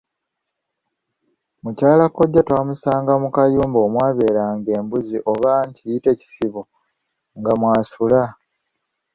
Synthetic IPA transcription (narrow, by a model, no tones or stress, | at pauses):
mucaːlakoɟːatwaːmusaːŋɡamukajuːmbo̞ːmwaːβe̞ːɾaːŋɡe̞ːmbuziʔo̞βaɲcijite̞ci̥siβo | ŋɡamwaːsula